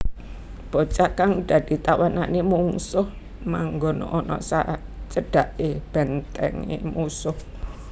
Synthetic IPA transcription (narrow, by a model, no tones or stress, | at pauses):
b̥o̤t͡ʃaʔkaŋd̪̥a̤d̪̥i̤t̪awananemuŋsʊh | maŋɡɔnɔ̰ʔɔnɔ̰sa̰ʔt͡ʃəɖ̥a̤ʔeb̥ɛnt̪ɛ̰ŋḛmusʊh